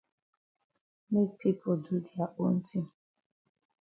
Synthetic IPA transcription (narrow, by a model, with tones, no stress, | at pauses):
me˦k̚pʰi˦pʰo˨du˦di˨a˨ʔo˦n̩˦ti˦m̩˨